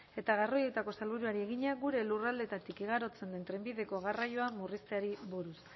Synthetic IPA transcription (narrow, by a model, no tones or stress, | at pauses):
e̞t̪aɣ̞aro̞je̞t̪ako̞salβuɾuaɾie̞ɣiɲaɣuɾe̞lurald̪e̞t̪at̪ikiɣaɾo̞t͡se̞nd̪e̞nt̪ɾe̞mbiðe̞ko̞ɣarajo̞amurist̪eaɾiβoɾus